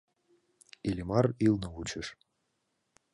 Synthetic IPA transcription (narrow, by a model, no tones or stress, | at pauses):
elʲemɑɾilnɤ̆ut͡ɕəʃ